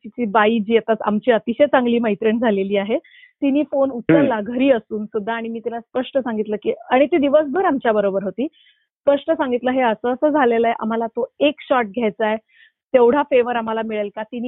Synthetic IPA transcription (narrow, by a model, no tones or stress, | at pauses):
t͡ɕ̪it͡ɕiːbaid͡ʑiːat̪at͡sa̰mt͡ɕiːət̪iɕet͡saŋɡliːməjt̪ɾəɳd͡zʱaleliːaɦe | t̪iniːfonut̪ːəɾlaɡʱəɾiːəsuːnsud̪ʱːaːɽ̃imiːt̪ilaspəʂʈəsaŋɡit̪ləːkiaɽ̃it̪ed̪iʋəs̬bʱəɾamt͡ɕjabəɾobəɾɦot̪iː | spəʂʈəsaŋɡit̪ləɦeəsəːsəːd͡zʱaleləeʔa̰m̤alat̪oekɕɔʈ̚ɡʱjajt͡sae | t̪ewɽ̤afeʋəɾam̤alamiɭelkat̪iniː